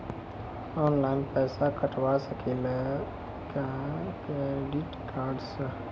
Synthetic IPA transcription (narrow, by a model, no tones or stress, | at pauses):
ɔːnlaɪnpɛːsakəʈʰwasəkʰile | kakɾeɖiʈkaːɾɖsə